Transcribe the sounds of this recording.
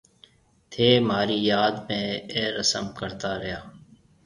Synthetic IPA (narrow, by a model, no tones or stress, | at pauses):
t̪ʰeːmaːɾiːjaːd̪mẽːeːɾəsəmkəɾt̪aːɾəjaː